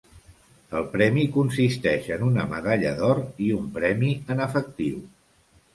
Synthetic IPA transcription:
əlˠpɾɛmikunsist̪ɛʃənunəmə̰ðaʎəðɔriumpɾɛmiənəfək̚t̪iw

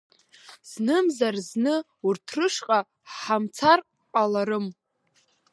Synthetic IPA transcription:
z̥nɨmzarznɨ | urtʰrɨʂqʼa | ħamt͡sʰar | qʼalaɾɨm

